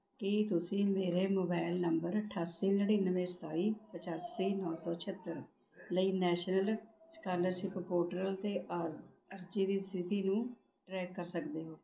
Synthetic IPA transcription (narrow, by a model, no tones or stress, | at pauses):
kɪt̪ʊsĩːmeːɾeːmoːbaːɪlnəmbəɾəʈʰaːsiːnəɽiːnəʋẽːst̪aːiːpət͡ʃaːsiːnɔːsɔːt͡ʃʰət̪ːəɾ | ləiːnɛːʃnəlskaːɾləɾʃɪppoːʈəɾəlt̪eːʔ | əɾd͡ʒiːd̪iːsɪt̪iːnũː | ʈɾɛːkːəɾsəkd̪eːɦoː